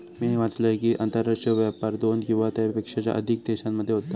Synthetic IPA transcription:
miʋat͡sləekiːʔant̪əɾaʂʈəʋapaɾd̪onkĩw̃ʋat̪əpekʂat͡ɕja̰ʔə̰d̪ʱik̚d̪eɕammːəd̪ʱːjeɦot̪ːa

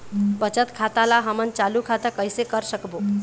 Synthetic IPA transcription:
bət͡ʃət̪kʰat̪alaɦəmənt͡ʃalukʰat̪əkəjsekəɾsəkbo

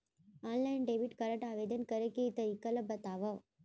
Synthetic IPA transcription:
aːnlɐjnɖebiʈkɐɾɐʈaːʋeːd̪ɐnkɐɾɐkeit̪ɐɾikɐlɐbɐt̪aːʋɐ

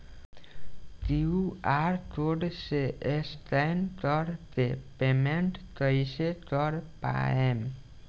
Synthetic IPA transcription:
t̪iuaɾt̪oɖseest̪ajnt̪ɔɾt̪epemeɳʈt̪əiset̪ɔɾpa̰em

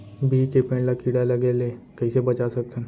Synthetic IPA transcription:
bʱikepẽːɳɖlakiɽalɐɡeleːkɛisebɐt͡ʃasɐk̚t̪ə̃n

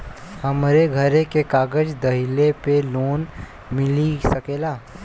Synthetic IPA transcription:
həmɾeɡʱəɾẽkekaːɡəd͡ʒd̪ɐɦɪlepeloːn | mɪlisəkeːlaː

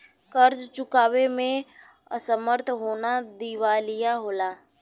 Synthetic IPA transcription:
kəɾd͡ʒt͡ʃʊkaːwemẽ | ə̰səməɾt̪ʰɦoːnad̪iːʋaːlijaɦoːlaː

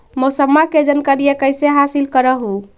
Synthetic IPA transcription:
mosəmːaked͡ʒənkəɾijekəjseɦasilkəɾəɦu

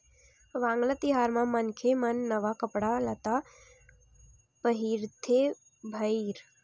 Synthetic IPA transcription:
ʋãːŋɡlat̪iɦaːɾmãmɐnkʰemɐnːɐʋakɐpɽalɐt̪a | pəɦiɾt̪ʰe | bʱɐiɾ

